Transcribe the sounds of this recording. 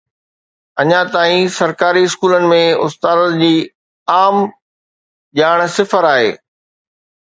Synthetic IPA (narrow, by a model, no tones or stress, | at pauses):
ɐɲãt̪aːĩsɐɾkaːɾiɪskuːlənɪ̆mẽʊst̪aːd̪d͡ʑiː | aːm | ʄaːɽ̃sɪfəɾaːɦḛː